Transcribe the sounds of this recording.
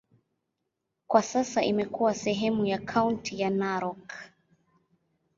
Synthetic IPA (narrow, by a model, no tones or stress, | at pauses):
kwasasaʔimɛkuwasɛɦɛmujakʰauntʰijanaɾɔk